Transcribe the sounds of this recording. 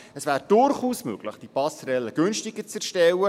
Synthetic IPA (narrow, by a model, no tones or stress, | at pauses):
əsvæːɾd̥ʊrχuːsmøɡ̥lɪχd̥ipɑsɾɛlːəɡ̥ɵnʃtɪɡəɾt͡sɛrʃtɛwə